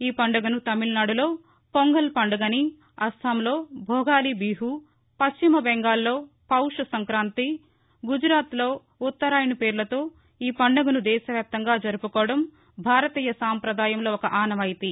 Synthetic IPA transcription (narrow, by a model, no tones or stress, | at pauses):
iːpɐɳɖɐɡunut̪ɐmilnaːɽulo̞ː | poŋɡɐlpɐɳɖɐɡɐni | ɐst̪aːmlo̞ːbʱɔːɡaːlibiːɦu | pɐst͡ʃimɐbɛŋɡaːlːoː | pɐwʂɐsɐŋkɾaːnt̪i | ɡud͡ʒɾaːt̪lo̞ː | ut̪ːɐɾaːjnipeːɾlɐt̪o̞ː | iːpɐɳɖɐɡunud̪ɛːʃɐʋjaːp̚t̪ɐŋɡaːd͡ʒɐɾupukɔːɽɐm | bʱaːɾɐt̪iːjɐsaːmpɾɐd̪aːjɐmlo̞ːɔkɐʔaːnɐmɐjit̪i